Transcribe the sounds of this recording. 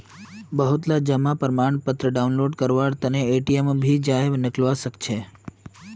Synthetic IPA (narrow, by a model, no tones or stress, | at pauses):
bəɦut̪lad͡ʒəmapəɾmaɳpət̪ɾəɖaunloɖkəɾʋaɽt̪əneːʈiembʱid͡ʒaɦeʋnɪklʋaʃəkt͡ʃʰe